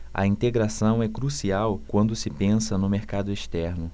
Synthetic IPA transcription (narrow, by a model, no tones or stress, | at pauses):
ɐ̰ĩnt̪eɡɾasɐ̃w̃ɛkɾusiawkwɐ̃nd̪ʊsɪpẽsɐnʊmeɾkad̪ʊeʃt̪ɛɾnʊ